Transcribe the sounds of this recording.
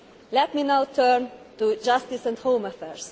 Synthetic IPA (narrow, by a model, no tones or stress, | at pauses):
lɛt̪minawt̪ʰɜɹnt̪ud͡ʒʌst̪isɛ̃nd̪hõʊməfɛɹs